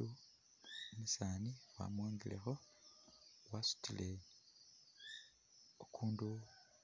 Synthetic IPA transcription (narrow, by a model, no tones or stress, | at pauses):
u | misaːniwa̰mwaːŋɡilḛxo̞ | wasu̥tile̞ | okʰuːndu